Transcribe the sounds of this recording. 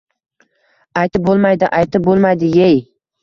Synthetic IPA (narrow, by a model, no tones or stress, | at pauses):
ajt̪ɪp̚bolˠmajd̪ɪʔajt̪ʰɪp̚bolˠmajd̪ɪjej